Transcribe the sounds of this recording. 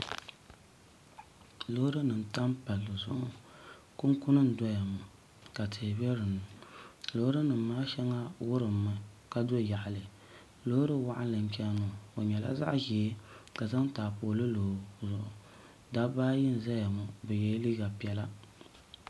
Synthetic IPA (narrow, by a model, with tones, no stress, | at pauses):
lo˦hɾɨ˦nɨ˨n˨ta˦mpa˨lːɨ˨zʊ˦ʔʊ˦ | kʊ˦ŋkʊ˦nɨ˦n̩˨dɔ˦ja˨mʊ˨ | ka˨tʰe˨bɛ˦ɾɨ˨nɨ˨lo˦hɾɨ˦nɨ˨m˦maː˦ʃɛ˦ŋa˦wʊ˦ɾɨ˨mːa˨ | ka˨do˦ja˨ʔa˨lɨ˨ | lo˦ɾɨ˦wa˦ʔa˦lɨ˨n̩˦t͡ʃɛ˦nʊ˨o˨ɲɛ˨la̰˦za̰˦ʔʒɛː˨˦ka˨za˦ŋ˦taː˨poː˨lɨ˦loː˨zʊ˨ʔʊ˨ | da˦baː˦jɪ˦n˨za˦ja˨mʊ˨bɨ˨jɛ˦li˦ɡa˨pi˦ɛ˦la˦